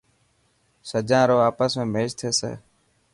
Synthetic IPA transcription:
səd͡ʒãːɾoːaːpəsmẽːmeːʃt̪ʰeːsḛː

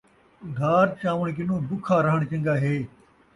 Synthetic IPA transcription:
ʊd̪ʱaːɾt͡ʃaːʋəɳ̃kɪnõːb̪ʊkʰaːɾɐɦəɽ̃t͡ɕɐ̃ŋɡaːɦeː

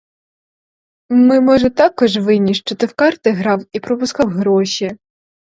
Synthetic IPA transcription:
mɪmɔʒɛt̪ɑkɔʒʋɪnʲiʂt͡ʃɔt̪ɪwkɑrt̪ɪɦɾɑwipɾɔpʊskɑwɦɾɔʃʲi

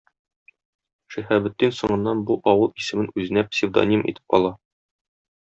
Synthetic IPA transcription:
ʃihæbɘ̆t̪ːinsŏɴɤ̆nːɑnbuʔɒwɤlˠisɘ̆mɘnʉzɘ̆næpsʲɪvd̪o̰nʲimḭt̪ɘ̥p̚ɒ̰lˠɑ

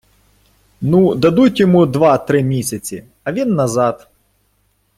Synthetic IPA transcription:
nud̪ɐd̪utʲjɔmud̪ʋɑt̪ɾɪmʲisʲɐt͡sʲi | ɐʋʲinːɐzɑt̪

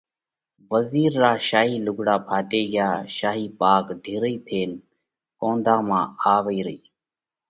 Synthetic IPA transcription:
ʋəziːɾːaːʃaːɦiːlʊɡʱɽaːpʰaːʈeːɡɪjaːʃaːɦiːpaːkɖʱɪːɾəiːt̪ʰeːn | kõːnd̪ãːmãːaːʋəiːɾəiː

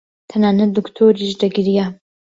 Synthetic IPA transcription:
t̪ʰɐnaːnɐt̪̚d̪ukt̪ʰoːɾiʒd̪ɐɡiɾija

